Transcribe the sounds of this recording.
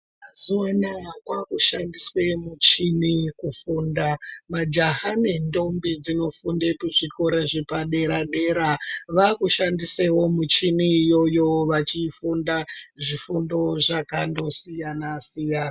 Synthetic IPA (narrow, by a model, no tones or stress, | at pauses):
mazuwanakwakuʃandiswe̞mut͡ʃinikufuːndamad͡ʒaɦanindo̞mbid͡zino̞fundepuʐiko̞ɾeʐepaɗe̞ɾaɗe̞ɾaʋakuʃandisewo̞mut͡ʃiniːjo̞jo̞ʋat͡ʃifundaʐifundo̞ʐakando̞sijanasijana